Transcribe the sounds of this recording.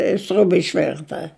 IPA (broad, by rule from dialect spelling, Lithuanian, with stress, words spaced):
ɪ ˈsʲrʲʊbɐ ɪʃʲˈʋʲɪrtɐ